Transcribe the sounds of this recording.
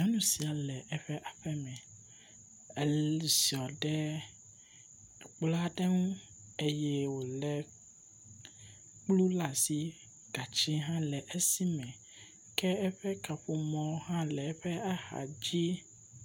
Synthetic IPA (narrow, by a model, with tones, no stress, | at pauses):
ã˦nũ˦si˨a˨lɛ˨ʔɛ˦ɸɛ˦ʔa˨ɸɛ˦mɛ̃˨ | ɛ˨lsi˨ɔ˨ɖɛ˦˨ | k͡pla˦ɖɛ˦ŋũ˦ | e˦jɛ˦wo˨lɛ˨ | k͡plu˦la˨si˦ | ɡ̥a˨t͡ɕi˦ɦã˦lɛ˨ʔɛ˦si˦mɛ̃˨ | kɛ˦ɛ˦ɸɛ˦ka˨ɸo˨mɔ̃˦hã˦lɛ˨˦ɸɛ˦a˦ha̰˨d͡ʑi˦